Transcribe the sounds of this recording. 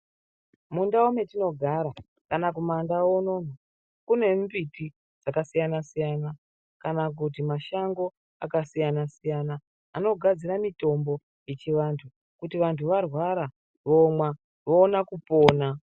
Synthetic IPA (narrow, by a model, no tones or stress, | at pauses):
mundaume̞tino̞ɡʱaɾa | kanakumandawono̞n̤a | kune̞mbiti | d͡zakasijanasijana | kanak̬ut̬imaʃaŋɡo̞ | akasijanasijanaː | no̞ɡʱad͡ziɾamito̞mbo̞ | jet͡ʃiʋantʰu | kutiʋantʰuʋarwaɾa | ʋomwa | ʋoːnakupo̞ːna